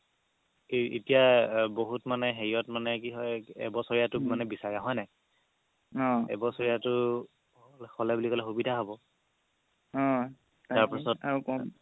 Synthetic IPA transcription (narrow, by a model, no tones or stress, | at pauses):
eḛtijaboɦutmanɛɦeɹiɔtmanɛk̬iɦɔjɛ̰bɔsɔɹijatʊmanɛbisaɹiaɦɔjnɛ | ɔ̃ɛ̰bɔsɔɹijatʊ | ɔlxɔlɛbulikɔlɛxubidʱaɦobɔ | ɔ̃ | taɹpisɔtakɔ